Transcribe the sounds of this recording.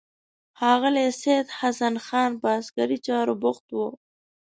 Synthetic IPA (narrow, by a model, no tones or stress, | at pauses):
hɑːɣɪlesed̪hasanxɑːnpɑːskaɾit͡ʃɑːɾobʊxt̪wo